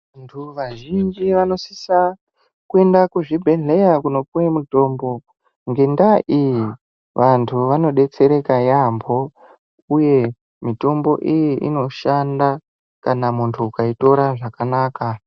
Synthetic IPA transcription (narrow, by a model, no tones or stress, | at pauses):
antʰuʋaʒind͡ʒiʋano̞sisa | kue̞ndakuʐibʱe̞ɮe̞jakuno̞puwemuto̞ːmbo̞ | ŋɡe̞ndaʔiji | ʋʔantʰuʋano̞ɗe̞t͡se̞ɾe̞kajambʱo̞ | uje̞ | mito̞mbo̞ʔijiḭno̞ʃanda | kanamuntʰuukaito̞ɾaʐakanaːka